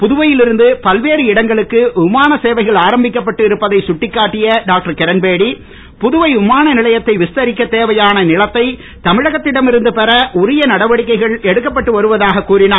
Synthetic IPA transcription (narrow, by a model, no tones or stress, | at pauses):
pʊðʊʋɐjɪlɪɾɯnd̪ɯpɐlʋeːɾɯɪɽɐŋɡɐɭɯkːɯʊmaːnɐseːʋɐɪɣɐɭaːɾɐmbɪkːɐpːɐʈːɯɪɾɯpːɐðɐɪsʊʈːɪkːaːʈːɪjɐɖaːk̚ʈɐɾkɛɾɐnbeːɽi | pʊðʊʋɐɪʊmaːnɐnɪlɐjɐt̪ːɐɪʋɪst̪ɐɾɪkːɐt̪eːʋɐjaːnɐnɪlɐt̪ːɐɪ | t̪ɐmɪɻɐɣɐt̪ːɪɽɐmɪɾɯnd̪ɯpɛɾɐʔʊɾɪjɐnɐɽɐʋɐɽɪkːɐɪɣɐɭɛɽɯkːɐpːɐʈːɯʋɐɾɯʋɐðaːɣɐkːuːɾɪnaː